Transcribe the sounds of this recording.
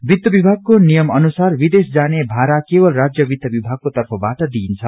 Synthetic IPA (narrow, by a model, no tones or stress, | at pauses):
bid̪jʌbibʱaɡ̚konijʌmʌnusarbid̪esd͡zanebʱaɾakebʌlrad͡zjʌbid̪jʌbibʱaɡ̚kot̪ʌrpʰʌbaʈʌd̪iːnt͡sʰʌ